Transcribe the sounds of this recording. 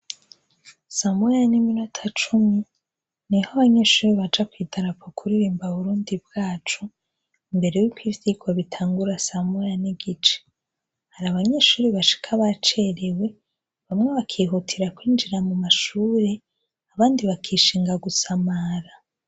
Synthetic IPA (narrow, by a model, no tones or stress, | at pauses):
samujaniminutʰat͡ʃumi | nihoβaɲe̞ʃuːɾiβat͡ʃakwiːtaɾapokʰuɾiɾiːmbaβuɾuːndib̚ɡaːt͡ʃu | imbe̞ɾejukwiːvjiɡwaβitʰaːŋɡuɾasamujaniɡit͡ʃe̥ | haɾaβaɲe̞ːʃuːɾiβaʃi̥kʰaβat͡ʃe̞ɾewe̞ | βamŋe̞βakʰiːɦutʰiɾakwiːnd͡ʒiɾamumaʃuːɾe̞ | aβaːndiβakʰiːʃiːŋɡaɡusamaɾa